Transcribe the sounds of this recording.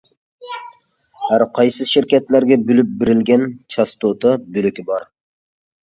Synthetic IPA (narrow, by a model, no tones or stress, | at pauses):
hæɾqʰɑjsɨʃiɾkʲɛt̪læɾɡʲɛbylyp̚bɪɾɪlɡʲɛnt͡ʃʰɑst̪ot̪ʰɑbylykʲibɑɾ